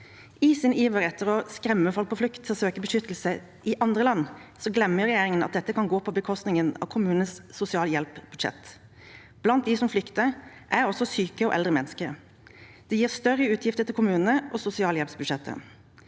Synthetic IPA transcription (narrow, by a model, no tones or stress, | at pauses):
iːsɪniːʋəɾɛt̪ʰːəɾɔskɾɛmːəfɔlk̚pʰɔflʉkt̪ʰːɪlɔsøːkəbəʃʏt̪ːl̩sə | ʔɪʔɑnd̪ʁəlɑnːsɔɡlɛmːəʁɛjeːɾɪŋənɑt̪̚d̪ɛt̪ːəkʰɑnɡoːpʰɔbəkʰɔst̪nɪŋənɑ̰ːʋkʰʊmʉːnnəssʊsɪɑːləjɛlpb̥ʉd̪ʃɛ̰t̪ | b̥lɑnt̪̚d̪ɪsɔmflʏkt̪əʔæɾɔsɔsyːkəɔ̰ʔɛlʁəmɛnːəskəɾ | d̪̥ɛjiːʁst̪œɾəʉːt̪ʰjɪft̪ət̪ʰɪlkʰʊmʉːnnəʔɔsʊsɪɑːljɛlpsbʉd̪ʂɛt̪ʰːə̰